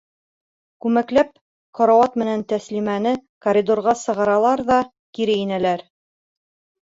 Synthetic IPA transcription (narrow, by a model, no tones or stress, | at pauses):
kʉmæklæp̚ | qɒɾɑwɑt̪mɘ̆nænt̪æslimænɘkoɾʲid̪oɾʁɑsɤ̆ʁɑɾɑlˠɑɾðɑ | kiɾɘinælæɾ